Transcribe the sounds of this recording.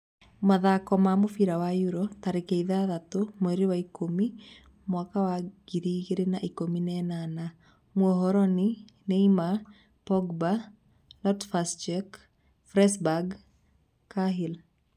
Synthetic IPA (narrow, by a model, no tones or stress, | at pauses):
maðakɔmamofiɾawajuɾot̪aɾɪkeiðaðat̪omoɾiwaikomi | mwakawaɡ̥iɾiɡeɾenaʔikominɛnana | mwɔɦɔɾɔnɪ | neima | pɔɡba | lɔtfast͡ʃɛk | fɾɛsbaɡ | kːaɦil